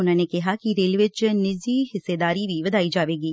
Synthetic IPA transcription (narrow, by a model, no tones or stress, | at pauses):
ʊnãːnekɪɦakiɾeːlʋɪt͡ʃnɪd͡ʒiɦɪsːed̪aːɾiʋʱiʋɐd̪ʱaːid͡ʒaːʋeːɡiː